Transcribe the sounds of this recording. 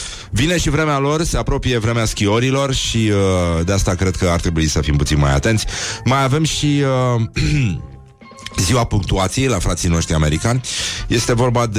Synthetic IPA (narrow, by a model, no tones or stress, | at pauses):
vine̞ʃivɾe̞mealo̞rse̞apɾo̞pije̞vɾe̞measkioɾilo̞rʃiəd̪east̪akɾe̞d̪̚kəart̪ɾe̞buisəfimput̪sinma̰ja̰t̪ent̪sʲmajave̞mʃiə | ziwapuŋk̚t̪uat̪sijejlafɾat̪sijno̞ʃt̪ɾiame̞ɾikanʲje̞st̪e̞vo̞rbad̪